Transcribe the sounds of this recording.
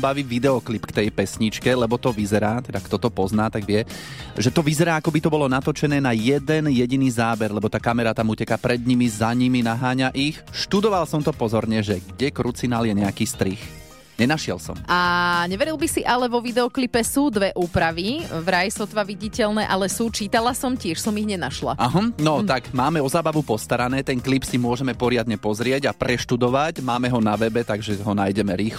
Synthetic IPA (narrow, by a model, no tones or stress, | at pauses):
baʋiʋid̪ɛɔklipkt̪ɛjpɛsɲit͡ʃkɛlɛbɔt̪ɔʋizɛɾaːt̪ɛd̪akt̪ɔt̪ɔpɔznaːt̪aɡʋɪɛʒɛt̪ɔʋizɛɾaːakɔbit̪ɔbɔlɔnat̪ɔt͡ʃɛnɛːnajɛd̪ɛnjɛɟiniːzaːbɛɾlɛbɔt̪aːkamɛɾat̪amucɛkaːpɾɛd̪ɲimizaɲiminaɦaːɲaʔixʃt̪ud̪ɔʋalsɔmt̪ɔpɔzɔɾɲɛʒɛɡɟɛkɾut͡sinaːljɛɲɛakiːst̪ɾix | ɲɛnaʃɪɛlsɔ̰maɲɛʋɛɾilˠbisiʔalɛʋɔʋid̪ɛɔklipɛsuːd̪ʋɛʔuːpɾaʋivɾajsɔt̪ʋaʋiɟicɛlnɛːʔalɛsuːt͡ʃiːt̪alasɔmcɪɛʃsɔmiɣɲɛnaʃla̰aɦ̩nɔt̪aɡmaːmɛɔzaːbaʋupɔst̪aɾanɛːt̪ɛnklipsimʊɔʒɛmɛpɔɾɪad̪ɲɛpɔzɾɪɛɟapɾɛʃt̪ud̪ɔʋacmaːmɛɦɔnaʋɛbɛt̪aɡʒɛɦɔnaːjɟɛmɛɾiːx